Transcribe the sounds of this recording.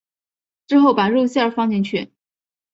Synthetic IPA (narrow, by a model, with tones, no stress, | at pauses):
ʈ͡ʂɻ̩˥xo˥˩ʊpa˨˩ɻu˥˧ɕjfɑ˥ŋt͡ɕjɛ˥˧nt͡ɕʰy˥˩